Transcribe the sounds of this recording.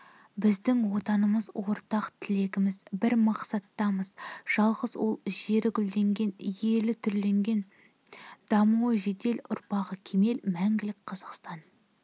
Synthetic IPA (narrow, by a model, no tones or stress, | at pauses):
bɪzd̪ɪŋwo̞t̪ɑnəməzwo̞ɾt̪ɑqt̪ʰɪle̞ɡʲɪmɪzbɪɾmɑqsɑt̪ːɑməz̥ʒ̥ɑlˠʁəzwo̞lˠʒe̞ɾɪɡʲʏld̪e̞ŋɡʲe̞nje̞lɪt̪ʰʏɾle̞ŋɡʲe̞n | d̪̥ɑmuwəʒe̞d̪e̞lʊ̰ɾpɑʁəkʲʰe̞me̞lmæŋɡʲɪlɪk̚ʲqʰɑzəqst̪ɑn